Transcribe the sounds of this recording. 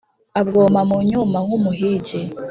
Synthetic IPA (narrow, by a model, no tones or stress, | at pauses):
abɡoːmamuɲumawumuɦiːɟe